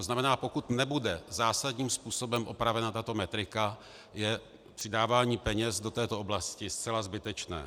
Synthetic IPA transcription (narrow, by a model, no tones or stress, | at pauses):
oznamɛnaːpo̞kut̪nɛbudɛzaːsadɲiːmspuːso̞bɛmʔo̞pɾavɛnat̪at̪o̞mɛt̪ɾɪka | jɛ | pr̥ɪdaːvaːɲiːpɛɲɛsdo̞t̪ɛːt̪o̞ʔoblascɪst͡sɛlazbɪt̪ɛt͡ʃnɛ̰ː